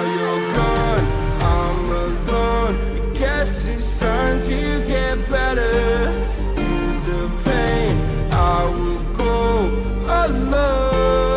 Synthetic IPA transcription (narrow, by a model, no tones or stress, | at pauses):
jə˞ɡɑd | ãɪm | əlɔ | n | ɡɛs | ɨ̥ | sʌ˞nz | ɨɡɛt̚b̥ɛɾə˞ | θʰɨ | ðəpʰẽɪ̃n | ʔaɪɪwɪlˠɡoʊ | əlo